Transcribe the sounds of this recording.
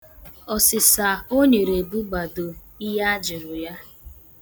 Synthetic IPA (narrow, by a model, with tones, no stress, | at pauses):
ɔ˨sɪ˨sa˨o˦ɲe˨ɾe˨bu˦ɡ͡ba˨do˨ | i˦ɦa˦a˦d͡ʒɪ˨ɾʊ˨ja˦